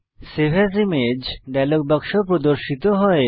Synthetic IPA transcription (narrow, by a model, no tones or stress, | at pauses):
sebʱasimed͡ʑɖɛlok̚bɔkʃopɾod̪oɾʃit̪oɦɔe